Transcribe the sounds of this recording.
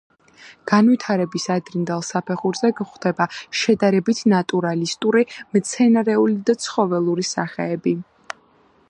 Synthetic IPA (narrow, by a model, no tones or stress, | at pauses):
ɡ̥anvit̪ʰaɾɛbisad̪ɾind̪alˠsapʰɛχuɾzɛɡχd̪̥ɛbaʃɛd̪aɾɛbit̪ʰnat̪ʼuɾalist̪ʼuɾimt̪sʰɛnaɾɛulid̪at̪sʰχɔvɛlˠuɾisa̰χɛːbi